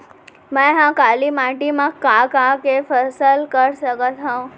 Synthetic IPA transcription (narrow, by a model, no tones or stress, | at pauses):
məjɦãkalimaʈimakːakakefəsəlkəɾsəkət̪ɦã